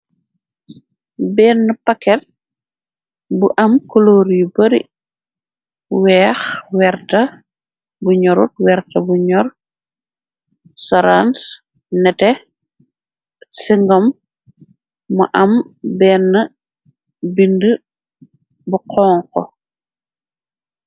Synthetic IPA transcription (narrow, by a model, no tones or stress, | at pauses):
bɛːnːɐpɐkːɛt̚ | buʔɐmkɔloːɾjubɐɾḭ | wɛːxwɛɾtɐ | buɲɔɾṵt̚wɛrtɐbuɲɔr | sɔɾans | nɛtɛ | siŋɡɔm | ṵʔɐmbɛːnːɐ | bində | buqʰɔːŋkɔ̰